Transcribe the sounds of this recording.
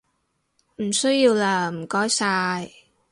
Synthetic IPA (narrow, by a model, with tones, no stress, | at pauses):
m̩˨˩sɵ˥jiː˧wlaː˧m̩˨˩kɔː˦˥jsaː˧j